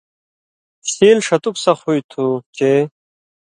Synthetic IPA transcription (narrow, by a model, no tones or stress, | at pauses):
siːlʂɐt̪uksɐχujt̪ʰut͡ɕe